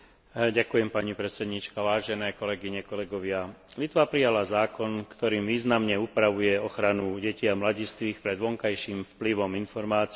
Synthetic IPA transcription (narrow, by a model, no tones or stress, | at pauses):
ɟakujɛmpaɲipɾɛt̪t͡sɛd̪ɲit͡ʃkaʋaːʒɛnɛːkɔlɛɡiɲɛkɔlɛɡɔʋɪalit̪ʋapɾijalazaːkɔnkt̪ɔɾiːmʋiːznamɲɛupɾaʋujɛɔxɾanuɟɛciamlaɟist̪ʋiːxpɾɛd̪ʋɔŋkajʃiːmfpliʋɔminfɔɾmaːt͡s